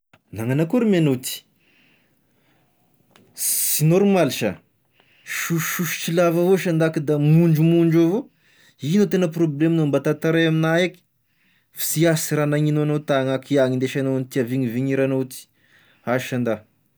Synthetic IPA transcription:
naŋanakuɾimenot̪i̥ | sinoɾumalʃa̰ | ʃuʃʃuʃu̥t͡ʃilavavoʃand̪akid̪amuɳd͡ʒumuɳd͡ʒavo | inot̪enəproblemnombat̪at̪aɾajaminaek | fi̥siasiɾanaŋinoanot̪aŋakiaŋind̪eʃanonit̪iaviɲiviɲiɾanot̪i̥ | aʃand̪a

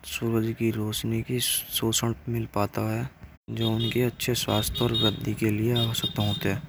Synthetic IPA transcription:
suwəd͡ʒkiɾoːt͡ʃnikisoːsəɽmɪlpaːt̪aɦɛ | d͡ʒoːʊnkiɐtːʃʰeswa̰ːst̪ʰɔːɾɡəd̪ikelieasəkt̪ɦoːt̪eɦɛː

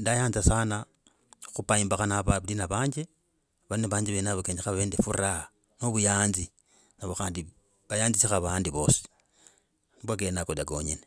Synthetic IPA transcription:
ndajaːnzasana | xupaimbaxanaβaβlinaβaːɲd͡ʒe | βaneβaːɲd͡ʒeβenaβakeːɲd͡ʒexaβaβeːndefura | noβujaːnzi | naβoxaːndi | βajaːnzisixaβaːndiβo̞ːsi̥ | nibwak̬enakodaɡo̞̰ɲḛne

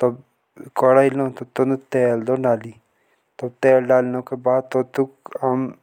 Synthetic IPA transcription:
t̪ɐb | kɔɽailõːt̪ot̪ont̪eːld̪onaːli | t̪ɐb̚t̪eːlɖaːlnõkebaːd̪̚t̪ot̪ukam

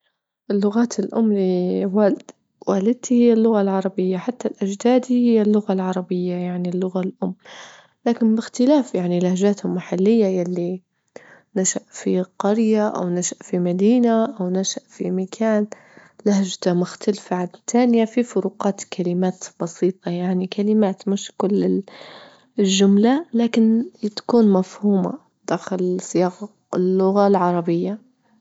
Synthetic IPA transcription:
ʔɪlːʊɣaːt̪ɪlʔʊ̰mːliwaːlɪd̪̥ | waːlɪd̪̚t̪ihɪjːalːʊɣalʕɑɾˤɑbɪjːaħat̪ːalʔad͡ʒd̪aːd̪ihɪjːalːʊɣalʕɑɾˤɑbɪjːajaʕnilːʊɣalʔʊmː | laːkɪnbɪxt̪ɪlaːfjaʕnilahd͡ʒaːt̪hʊmːaħalːɪjːajalːi | naʃaʔfiqɑɾjaʔa̰wnaʃaʔfimad̪iːnaʔawnaʃaʔfimakʰaːn | lahʒt̪amʊxt̪alfaʕadt̪ʰaːnɪjafifʊɾuːqɑːt̪kʰalɪmaːt̪b̥ɑsiːt̪ˤɑjaʕnikʰalɪmaːt̪mɪʃkʊlːɪ | lʒʊmlalaːkɪnt̪ḁkuːnmafhuːma̰ | d̪̥aːxɪlsɪjɑːɣ | lːʊɣalʕɑɾˤɑbɪjːa

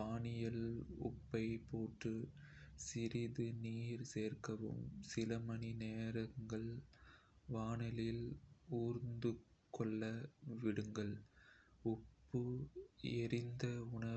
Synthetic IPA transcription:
aːɳɪjɐlʊ̰pːɐɪpoːʈrɯ | sɪɾɪðɯniːɾseːrkɐʋɯ̰msɪlɐmɐɳineːɾɐŋɡɐɭ | ʋaːɳɐlɪluːɾnd̪ɯkːɔɭːɐʋɪɽɯŋɡɐɭ | ʊpːɯ | ɛɾɪnd̪ɐʊɳɐ

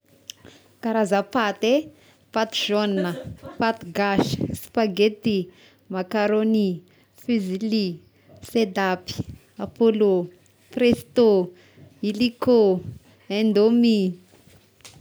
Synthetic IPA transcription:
kaɾazapat̪e | pat̪ʒ̥onəpat̪ɡaʃspaɡet̪i | makaɾoni | fizili | sed̪api̥ | apolo | prest̪o | iliko | end̪omi

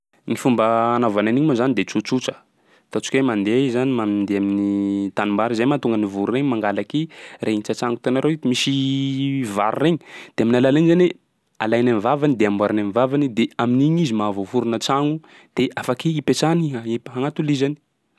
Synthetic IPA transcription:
ŋifumbəːnavananiɲimozanid̪et͡sut͡sut͡sə̥ | t̪at͡ʃu̥kʲwemand̪ezanimamnd̪eaminit̪animaɾizajmat̪uŋɡənivuɾureɲmaŋɡalakirʔeint͡sat͡ʃaŋɡut̪enaɾewit̪imisi | vaɾureɲi̥d̪̥eaminalalaɲzanwe | a̰lajnamivavanid̪eamwaɾanamivavanid̪eaminiɲizimavovuɾunət͡saŋu | d̪̥eʔafakiipet͡ʃaniaipɦaŋat̪ulizani̥

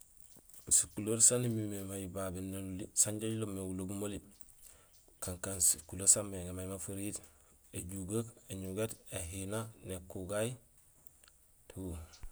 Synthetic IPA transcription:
sikuloɾsanimimemajibabinːelulisaɲɟaɟlomːewuloɡumoli | kaŋkansikulosamːeŋemajimafiɾit | eɟuɡakeɲuɡeteɦinanekuɡaj | tʰu

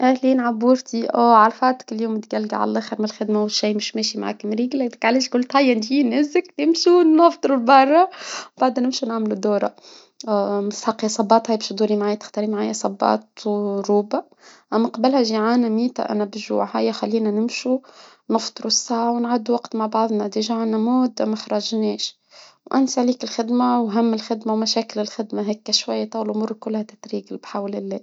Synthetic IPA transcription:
ʔæhliːnʕabuːɾt̪iʔoːʕalfɑːt̪ɪ̥kɪljuːmt̪ɡælːɡaʕa̰lælʔæːxəɾmlxæd̪mawʃiːmɪʃmeːʃimaʕa̰kmɾiːɡlæd̪ɪkʕaleːʃɡʊlt̪hæjːænʒiːnɪzəkt̪ɪmʃunɑft̪ˤɨɾlbɑrˤːɑbaʕd̪ænɪmʃunaʕmlud̪uːɾˤɑ | mɪsħɑqːjɑsˤɑbɑːt̪hæjbeːʃd̪uːɾimʕaːjt̪ɪ̥xt̪ɑɾimʕaːjɑsˤɑbːɑ̰ːt̪ɾuːba | ʔæmːæqɑbɪlhæʒiʕaːnæmiːt̪a̰ʔæ̰næbʒṵʕhajːaxælːiːnænɪmʃu | nɪft̪ˤɾusːaːʕwnʕad̪ːuwɑɡt̪maʕbɑʕðˤnɑd̪iʒaʕanæmuːd̪mːaxɾˤɑʒneːʃ | wʔæ̰nsaʕliːkɪlxɪd̪mawɦæmːɪlxɪd̪mawmæʃæːkɪlɪlxɪd̪maɦɛːkːæʃwajːat̪ˤɑːwlʔmʊɾˤkʊlːhæt̪ɪt̪ɾiːɡɪlbħawlɪlːeː

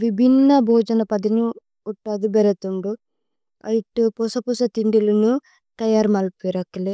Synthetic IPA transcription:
ʋibʱinːɐbʱɔːd͡ʒɐnɐpɐd̪inu | uʈːad̪ubɛɾɐt̪uɳɖu | ɐ̰jiʈupusɐpusɐt̪iɳɖilɐnu | t̪ɐjaːɾmɐlpeɾɐkːɐle

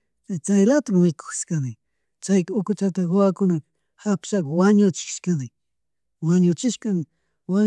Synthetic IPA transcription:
t͡ʃajt͡ʃajlat̪ammɪko̥xʃkanɪ | t͡ʃajkʊkʊt͡ʃat̪̬aɢoakʊnak | hapʃakwaɲʊt͡ʃɪ̥ʃkanɪ | waɲʊt͡ʃɪʃkanɪ | wa

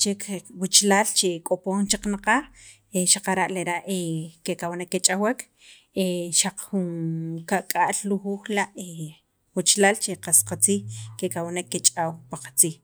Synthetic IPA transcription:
t͡ʃekwut͡ʃlaːlt͡ʃekʼopoːnt͡ʃaq͡χnaqax | eʃaqaɾaʔleɾaʔekekawnekːet͡ʃʼawekʰ | eʃaq͡χxunkaʔkʼaʔlluxuːxlaʔe | wut͡ʃlaːlt͡ʃeqasqat͡siːxkekawnekːet͡ʃʼaːwpaqḁt͡siːx

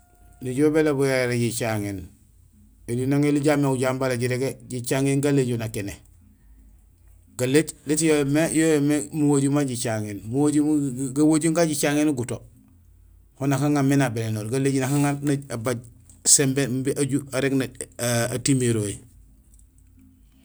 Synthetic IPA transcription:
niɟobelabujaɾeɟit͡ʃaŋen | elinaŋeliɟameuɟambalaɟiɾeɡeɟit͡ʃaŋeːnɡalːeɟonakene | ɡ̥aleɟlitijojmejojomemuwoɟumaɟit͡ʃaŋenmuwoɟuɡawoɟuŋɡaɟit͡ʃaŋenuɡuto | honakaŋamːenabelenoːɾɡaleɟnakaŋannaabaɟsembembiʔaɟuaɾeɡnaatimeɾoji

